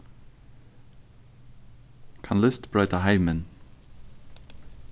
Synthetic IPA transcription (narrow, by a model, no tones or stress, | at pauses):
kʰɑnlɪst̪b̥ɹœʏt̪əhæɪmən